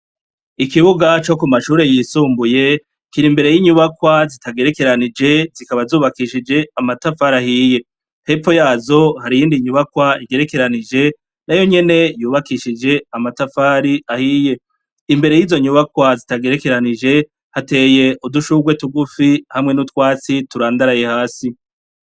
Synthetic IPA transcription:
ikiβuɡat͡ʃo̞kumaʃuːɾe̞jiːsuːmbuje̞ | kiɾimbe̞ɾe̞jiːɲuβakwazitʰaɡe̞ɾe̞ke̞ɾanid͡ʒe̞zikaβazuːβakiʃid͡ʒe̞amatafaɾahiːje̞ | he̞pfo̞jaːzo̞haɾijiːndiɲuβakwaiɡe̞ɾe̞ke̞ɾanid͡ʒe̞ | najo̞ɲe̞ne̞juːβakiʃid͡ʒe̞amatafaːɾiahiːje̞ | imbe̞ɾe̞jiːzo̞ɲuβakwazitaɡe̞ɾeke̞ɾanid͡ʒe̞ | hate̞ːje̞ʔuduʃuɡwe̞tuɡufihamŋe̞nutkwaːt͡situɾaːndaɾaje̞haːsi

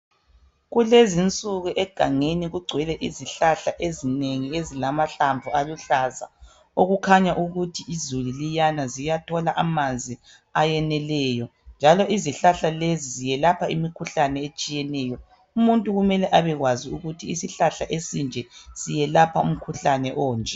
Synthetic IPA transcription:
ɣulezint͡sʼuɣuʔɛɡ̥ʱaŋeniɣuɡ͡ǀʱwɛlɛʔiziɬaɬaʔezineŋiezilamaɬaɱvʱualuɬaza̰ | oɣukʰaɲaʔuɣutʰiʔizululijanazijatʰɔlaʔamand͡zʱi | ajɛnɛlɛjɔnd͡ʒʱalɔʔiziɬaɬalezizijɛlapʰaimikʰuɬanɛet͡ʃʼijɛnɛjɔ | umuntʼuɣumɛlɛʔaβɛɣwaziuɣutʰiːsiɬaɬaʔesind͡ʒʱɛz̥ijɛlapʰaum̩kʰuɬanɛʔɔːnd͡ʒʱɛ

